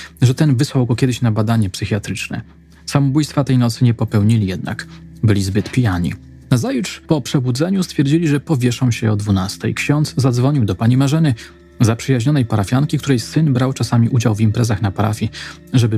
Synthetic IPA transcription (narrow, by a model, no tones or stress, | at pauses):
ʐɛt̪ɛnvɘswawɡɔkʲɛd̪ɘɕnabad̪aɲɛpsɘxʲjat̪ɾɘt͡ʂnɛ̰ | samɔbujst̪fat̪ɛjnɔt̪sɘɲɛpɔpɛwɲilʲijɛd̪̚na̰kbɘlʲizbɘt̪pʲijaɲḭ | nazajutʂpɔpʂɛbud̪zɛɲust̪fʲjɛɾd͡ʑilʲiʐɛpɔvʲjɛʂɔ̃w̃ɕɛɔd̪vunast̪ɛjkɕɔnt̪zzad̪zvɔɲiwd̪ɔpaɲimaʐɛnɘ | zapʂɘjaʑɲɔnɛjpaɾafʲjaŋkʲikt̪uɾɛjsɘnbɾawt͡ʂasamʲiʔud͡ʑawvimpɾɛzaxnapaɾa̰fʲiʐɛbɘ